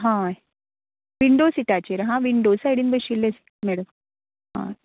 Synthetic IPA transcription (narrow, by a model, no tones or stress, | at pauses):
ɦã | ʋiɳɖoːsiʈat͡ɕeɾɦãʋiɳɖoːsajɽinbəɕilːesi̥ | mɛɽəm | ɦã̰